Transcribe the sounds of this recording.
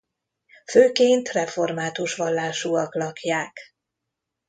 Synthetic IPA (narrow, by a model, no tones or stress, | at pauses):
føːkeːnt̪rɛfo̞rmaːt̪uʃʋɒlːaːʃuɒklɒkjaːk